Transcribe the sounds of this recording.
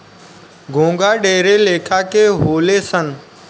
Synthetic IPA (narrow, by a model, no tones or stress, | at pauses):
ɡʱõːŋɡaːɗeːɾeleːkʰaːkʰeːɦoːleːsən